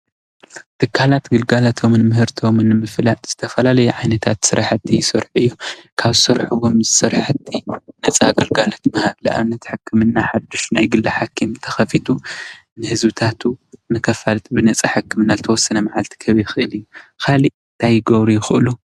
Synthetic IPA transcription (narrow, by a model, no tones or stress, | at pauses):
t̪ʰɨkʰːalat̪ɡɨlɡalat̪ʰomnɨmɨhɨɾt̪ʰomɨnɨmɨflaz̥ɨt̪ʰɐfɐlalɐjuʕajnɐt̪ʰat̪sɨɾʔaħt̪ʰːijsɨɾħɨjːukʰaβɨsɨɾħuβomzɨsɨɾħɨt̪ʰːinɐt͡sʼaɡɐlɡalat̪mɐhaβlia̰βɨnːɐt̪ħɨkʰːɨmɨnːaħad̪ːuʃnajɡɨlːɐħakʰːimt̪ʰɐ̥xɐfit̪ʰu | nɨhɨzβɨt̪ʰat̪ʰunɨkʰɐfalt̪ʼbɨnɐt͡sʼaħɨkːɨmɨnːazɨt̪ʰɐwɔsːɐnɐmaʕalt̪ʰi̥kʰɐβijxɨʔɨlɨjːukʰaliɨnt̪ʰajɡoβɾijɪxɨʔlu